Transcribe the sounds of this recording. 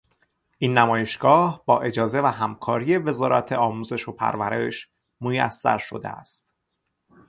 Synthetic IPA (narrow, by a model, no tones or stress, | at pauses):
ʔinːæmɒːje̞ʃɡ̥ɒːhb̥ɒːʔe̞d͡ʒɒːze̞væɦæmkʰɒːɾije̞ve̞zɒːɾæ̰t̪ʰeɒːmuːze̞ʃopʰæ̰ɾvæɾe̞ʃ | mojæ̰sːæ̰ɾʃo̞̰d̪ḛæ̰st̪